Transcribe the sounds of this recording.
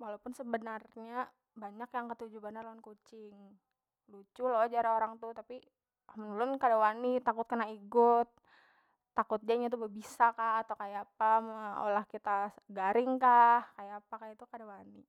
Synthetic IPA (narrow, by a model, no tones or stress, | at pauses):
walapʊnsəbənarɲa | baɲakjaŋkət̪ud͡ʒubanarlankut͡ʃɪŋ | lut͡ʃʊlod͡ʒaɾaoɾaŋt̪ut̪api | mənulʊnkadawanit̪akʊt̪̚kənaiɡʊt̪̚ː | akʊt̪̚ɲaiɲat̪̬ubəbisakaːt̪awkajapamao̰lahkit̪aɡaɾɪŋkahkajapakajat̪ukadawani